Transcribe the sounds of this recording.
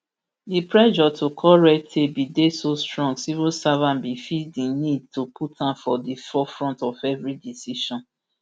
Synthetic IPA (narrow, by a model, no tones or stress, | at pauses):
dipɹɛd͡ʒɔtʰokʰɔɹɛk̚tʰebidesostɹɔ̃ŋɡsivusavãnbifidinid̚tupʰutʰãfɔdifɔfɹɔ̃ntɔvɛvɹidisiʃɔ̃n